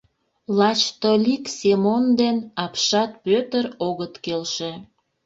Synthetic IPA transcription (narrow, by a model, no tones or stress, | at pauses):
lɑt͡ɕt̪olʲiksemond̪enɑpʃɑt̪̚pøt̪əɾoɣət̪kelʃe